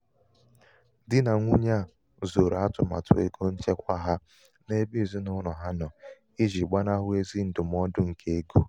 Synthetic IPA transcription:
dɪ˦na˨ŋʷu˦ɲa˦˨ | zo˨ɾa˦tʊ˨ma̰˨tʰʊ̰˨ḛ˦ɡo˦n̩˦t͡ʃe˦kʷa˦ɦa˦ | ne˦bi˦˨zi˦nʊ˦ɾɔ˨ɦa˦nɔ˨ | i˦d͡ʒi˨ɡ͡ba˦na˦ɦʊ˦e˦zi˦n̩˦dʊ˨m˦ɔ˦dʊ˦ŋ̩˨kʰe˦e˦ɡo˦

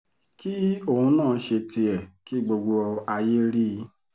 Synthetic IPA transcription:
ki˦o˦˨ũ˧˦nãː˦˨˧ʃe˧ti˧ɛ˨ki˨˦˨ɡ͡bo˧ɡ͡bo˧ɔ˧a˧je˦ɾi˦˧˦

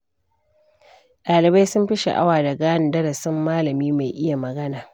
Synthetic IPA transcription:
ɗaː˨lɪ˨ba˦jsʊ˦mɸɪ˦ʃḛ˨ʔa̰˦waː˨da˨ɡaː˦ɪ˨ndɐ˦ɽɐ˨sɪ˦mːaː˦lɐ˨miː˦ma˨jʔɪ˦ja˨mɐ˨ɡɐ˦naː˨

